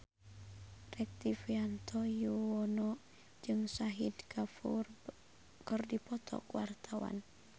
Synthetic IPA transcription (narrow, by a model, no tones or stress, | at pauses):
rɛk̚t̪ifiant̪ʰɔjuwɔnɔ | d͡ʒɨŋsaɦid̪kʰafṵr | kɔrdipɔt̪ʰɔ̰kuwart̪ʰawa̰n